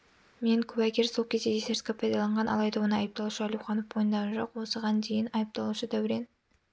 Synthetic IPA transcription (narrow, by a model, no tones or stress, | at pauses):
me̞ŋkʲʰɵbækʲe̞ɾsolˠkʲʰe̞zd̪ej̪ese̞ɾskʲepʰɑjd̪ɑlˠɑɴʁɑnʔɑlˠɑjd̪ɑwo̞nəɑjəp̚t̪ɑlˠuʃəɑlʲuwχɑnəpwo̞jənd̪ɑʁɑnʒo̞qwo̞səʁɑnd̪e̞jɪnɑjəp̚t̪ɑlˠuʃəd̪æwɪɾen